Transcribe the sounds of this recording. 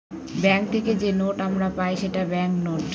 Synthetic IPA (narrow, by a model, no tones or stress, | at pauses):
bɛŋk̚t̪ʰeked͡ʑenoʈamɾapajʃeʈabɛŋknoʈ